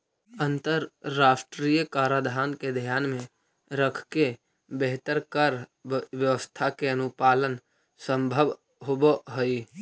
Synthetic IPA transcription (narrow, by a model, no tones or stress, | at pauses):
ə̃nt̪əɾːaːsʈɾiːjkaːɾad̪ʱaːnked̪ʱijaːnmẽ | ɾəkʰke | beɦt̪əɾkəɾʋjəʋəst̪ʰakeənʊpaːlən | sə̃mbʱəb | ɦoboɦoi